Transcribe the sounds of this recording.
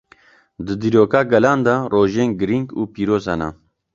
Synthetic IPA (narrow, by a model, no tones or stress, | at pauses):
d̪ɨd̪iːɾoːkaːɡɛlaːnd̪ɐroːʒeːnɡɨɾiŋɡuːpiːɾoːzhɛnɛ̰